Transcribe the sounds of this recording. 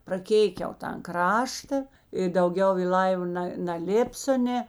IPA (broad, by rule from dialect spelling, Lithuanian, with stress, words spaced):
prɐˈkʲeːɪkʲɛʊ tɐn ˈkrɑːʃtɐ ɪ dɐʊˈɡʲɛʊ ɪ ˈlˠɐɪʋɐ ˈnɐ nɐˈlʲeːpʲsʲoː ˈnʲeː